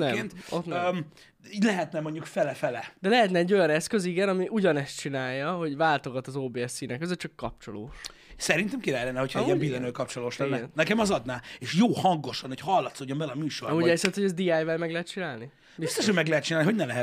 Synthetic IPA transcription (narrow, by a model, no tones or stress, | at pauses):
nɛmɛnʔo̰t̪nm | iːɟlɛɦɛt̪nɛmo̞ɲɟukfɛlɛfɛlɛd̪ɛlɛɦɛt̪nɛɛɟːo̞jɒnɛskø̞ziɡɛnɒmiʔuɟɒnɛst̪t͡ʃinaːjːɒɦo̞ɟvaːlt̪o̞ɡɒt̪ɒzoːbeːɛsːiːnɛkːøzøt͡ʃɒkːɒp̚t͡ʃo̞lo̰ːʃ | sɛɾint̪ɛmkiɾaːlɛnːɛho̞cʰɒɛiɛmbilɛnøːkɒp̚t͡ʃoloːʃlɛnːɛɛnnɛkɛmɒzɒd̪naːeʃjoːhɒŋɡo̞ʃɒnhochɒlːɒt̪soːɟːo̞mbɛlɒmyːʃoɾɒmuːɟɛsɛt̪ho̞ɟɛzd̪iaːjvɛlmɛɡlɛɦɛt̪t͡ʃinaːlni | bist̪oʃhoɟmɛɡlɛɦɛt̪̚t͡ʃinalniɦoɟnɛmlɛɦɛ